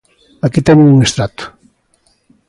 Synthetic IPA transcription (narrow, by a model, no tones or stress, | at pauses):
akit̪ɛnuŋuŋest̪ɾat̪u̥